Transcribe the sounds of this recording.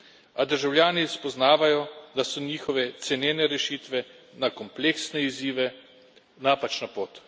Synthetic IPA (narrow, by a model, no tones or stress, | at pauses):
ad̪əɾʒawljaːnispɔznaːʋajɔd̪asɔniːxɔʋɛt̪sɛnjeːnɛɾɛʃiːt̪ʋɛ | nakɔmpleːksnɛiziːʋɛ | naːpat͡ʃnapoːt̪